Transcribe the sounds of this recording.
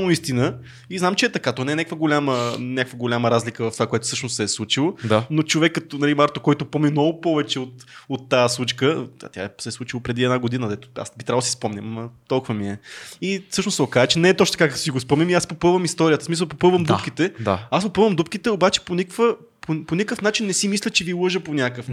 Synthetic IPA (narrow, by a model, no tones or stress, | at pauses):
noist̪inə | iznamt͡ʃɛɛt̪ɐkat̪ɔnɛnʲakvəɡolʲamənʲakvəɡolʲaməɾazlʲikəvɐft̪ovakoɛt̪ʊ̥sɤʃnʊssɛːslˠut͡ʃilˠod̪anot͡ʃovɛkːɐt̪onɐlimaɾt̪okɔjt̪ʊpɔmnʲimnɔɡʊpɔvɛt͡ʃɛot̪ot̪ːaslˠut͡ʃkəa̰t̪ja̰ɛsɛslˠut͡ʃilˠopɾɛd̪iɛd̪naɡod̪inəd̪ɛt̪ʊ̥a̰sbit̪ɾavˠd̪sispɔmnʲəmət̪ɔlˠkʊvɐmiɛisɤʃnossɛokazt͡ʃɛnɛːt̪ɔtt͡ʃnt̪kakɐt̪o̥siɡospɔmnʲɐmiaspopɤvɐmist̪ɔɾʲijət̪əsmisəlˠpopəvɐmd̪upk̟it̪ɛd̪aasɡopɤvəmd̪upkʲit̪ɛobat͡ʃɛ̥ponʲikvə | pʰoponʲikəfnat͡ʃinːɛsimislʲət͡ʃɛvilˠɤʒəponʲakəf